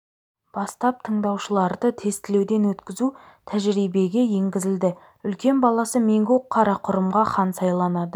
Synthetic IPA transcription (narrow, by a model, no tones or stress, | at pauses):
b̥ɑst̪ɑp̚t̪ʰəɴd̪ɑwʃəlˠɑɾd̪ət̪ʰe̞st̪ɪle̞wd̪e̞nwɵt̪kʲɪzut̪ʰæʒɾijbe̞ɡʲe̞je̞ŋɡʲɪzɪld̪ɪ | ʏlkʲe̞nbɑlˠɑsəme̞ŋɡʲɵqʰːɑɾɑqʰʊɾəmʁɑχɑnsɑjlˠɑnɑd̪ə